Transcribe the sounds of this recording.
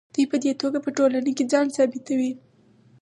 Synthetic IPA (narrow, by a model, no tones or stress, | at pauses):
d̪̥ujpəd̪et̪oɡapəʈolaneked͡zɑnsɑbɪt̪awi